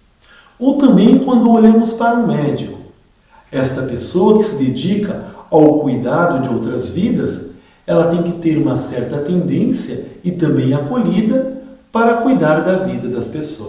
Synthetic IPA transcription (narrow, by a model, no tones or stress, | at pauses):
ot̪ɐ̃mbẽj̃kwɐ̃nd̪ʊoʎɐ̃mʊspaɾɐũmɛd͡ʒikʊ̥ | ɛst̪ɐpesowɐkɪ̥sɪd̪ed͡ʒikɐawkujd̪ad̪ʊd͡ʒɪowt̪ɾɐzvid̪ɐs | ɛlɐt̪ẽj̃kɪt̪eɾũmɐsɛɾt̪ɐt̪ẽnd̪ẽsjɐɪt̪ɐ̃mbẽj̃akoʎid̪ɐpaɾɐkujd̪aɾd̪ɐvid̪ɐd̪ɐspesoɐs